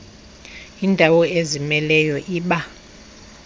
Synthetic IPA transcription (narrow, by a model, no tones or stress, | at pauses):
iːndʱawɔezimɛlɛjɔʔiːɓa